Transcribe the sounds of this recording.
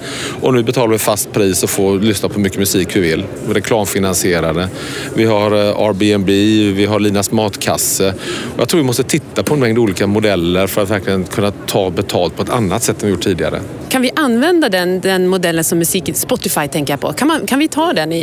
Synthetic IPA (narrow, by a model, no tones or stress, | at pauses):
ʔɔnʉːbɛt̪ʰɑːlavɪfast̪̚pʰɾiːsɔfoːlʏsnapʰɔmʏkːəmɵsiːkvɪvɪlː | ɾɛkʰlɑːmfɪnansɪeːɾad̪ə | vɪɦaɾɑ̰ːɾbeɛnbivɪɦaliːnasmɑːt̪kʰa̰sːəɔja̰t̪ɾuːɾvɪmɔst̪ət̪ʰɪt̪ːapʰɔɛnmɛŋd̪əuːliːkamʊd̪ɛlːəɾfœɾat̪væɾklɪɡənkʰɵnːat̪ʰɑːbɛt̪ʰɑːlt̪̚pʰɔɛt̪ʰa̰nːat̪sɛt̪ːɔmvɪjʊːʈʰːiːd̪ɪa̰ɾə̰ | kʰanvɪʔanːvɛnd̪ad̪ɛnd̪ɛnmʊd̪ɛlːənsɔmːɵsiːkɪspɔt̪ːɪfajt̪ʰɛŋkəjapʰɔ̰kʰanmankʰanvɪt̪ʰɑːd̪ɛnɪ